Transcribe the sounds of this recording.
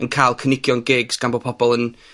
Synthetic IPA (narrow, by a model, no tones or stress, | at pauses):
ənkʰalˠkʰənɪkʰjɔnɡɪɡsɡ̥anbɔpʰɔb̥ɔlˠən